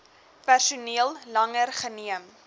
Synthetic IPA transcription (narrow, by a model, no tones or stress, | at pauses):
pærsuniəlˠlɐŋərχəniəm